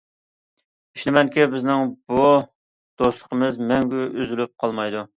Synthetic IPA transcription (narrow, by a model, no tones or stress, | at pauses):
iʃlɪmɛŋkʲibɪznɪŋbu | d̪̥oslˠə̥qʰəmɨzmɛŋɡʲyʔyzylyp̚qʰɑlˠmɑjd̪u